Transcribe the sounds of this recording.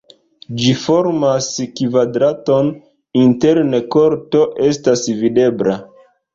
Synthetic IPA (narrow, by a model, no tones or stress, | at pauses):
d͡ʒifo̞ɾmaskvadɾato̞n | inte̞ɾnekoɾto̞ʔe̞stasvide̞bɾa